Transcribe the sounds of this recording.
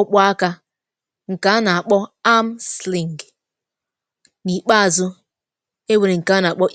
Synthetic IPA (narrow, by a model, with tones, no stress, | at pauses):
ʊ˦k͡pɔ˦a˦ka˦ | ŋ̩˨ka˨˦na˨a˨k͡pɔ˦a˦m̩˦sli˨ŋ˨ɡ | ni˨k͡pa˦a˨zʊ˦ | e˦we˨ɾe˨ŋ̩˨ka˨˦na˨k͡pɔ˦ʔ